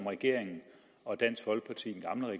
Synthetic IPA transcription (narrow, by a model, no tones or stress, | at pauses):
mʁɛɡ̥e̝ɐ̰eŋn̩ | ɒ̽d̥æn̰sɡ̥ʋɒ̽lɡ̥̚pʰɑ̈t͡sʰḭ̥ːn̩ɡ̥ɑ̈mləʁɛ